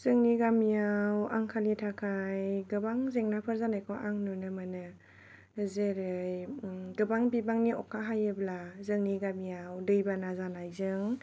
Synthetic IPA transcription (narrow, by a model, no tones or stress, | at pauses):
zɯŋniɡamijawaŋkʰalitʰakʰajɡɯbaŋzeŋnapʰɯɾzanajkʰoʔaŋnɯnɯmanɯ | zeɾɯjɡɯbaŋbibaŋniɔkʰːaɦajɯblazɯŋniɡamijawdɯjbanazanajzɯŋ